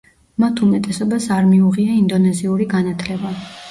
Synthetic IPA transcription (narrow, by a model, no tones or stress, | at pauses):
mat̪ʰumɛt̪ʼɛsɔbasaɾmiuʁiaind̪ɔnɛziuɾiɡanat̪ʰlɛba